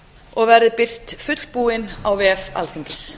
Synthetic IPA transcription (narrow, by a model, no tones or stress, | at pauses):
ɔɣvɛɾðɪpɪr̥t̪fʏt̪l̥puːɪnawvɛːɛfa̰lθiŋkls